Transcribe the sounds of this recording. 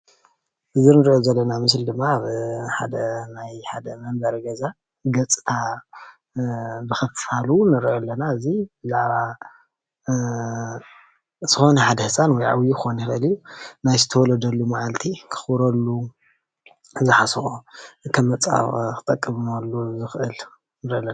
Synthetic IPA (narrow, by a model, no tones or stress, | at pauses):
ʔɨziɾnɨɾʔozɐlːɐnamɨs̬ld̪ɨmːaaβħa̰d̪ɐnajħad̪ɐmɐnbɐɾɐɡɐza | ɡɐt͡sʼt̪ʰa | bɨxɐffalunɨɾʔolːɐnaɨzibɨzaʕβa | z̥ɨxo̞nɐħad̪ɐhɨsʼanwɔjʕa̰wjukɨxoniɾɐɨliunajzɨt̪ʰɐwɔlɐd̪ɐlːumaʕalt̪ʰikʰɨ̥xɾɐlːu | ɨzɨħasxoɨkʰɐmːɐt͡sʼa̰kʰɨ̥t̪ʼɐkʼːɨmmalːuzɨxʔɨl | nɨɾolːɐ